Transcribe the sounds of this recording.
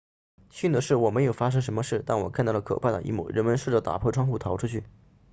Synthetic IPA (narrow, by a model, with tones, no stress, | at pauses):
ɕy˥˩nd̪ə˩ʂɻ̩˥˩wɔ˨˩me˧˥ɪjo˨˩ʊfa˥ʂ̬ɤ˥ŋʂ̬ə˧˥nmə˧ʂɻ̩˥˩t̪a˥˩nwɔ̰˨˩kʰa˥˧t̪ɑ˥˩lə˩kʰɤ̰˨˩pʰa˥˩d̪ə̰˩ʔḭ˧˥mṵ˥˩ɻə˧˥nmə˧nʂɻ̩˥˩ʈ͡ʂə˥˩t̪a̰˨˩pʰwɔ˥˩ʈ͡ʂʰwɑ˥ŋxu˥˩t̪ʰɑ˧˥ʊʈ͡ʂʰu˥t͡ɕʰy˥˩